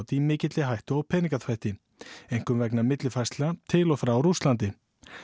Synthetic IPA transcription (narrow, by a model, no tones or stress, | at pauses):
wt̪ɪimɪːcɪt̪lɪɦajht̪ʏɔpʰɛːniŋkaθfajht̪ɪ | ejŋ̥kʏmvɛk̬namɪt̪lɪfajst̪lat̪ʰɪlɔfɾawɾust̪lant̪̬ɪ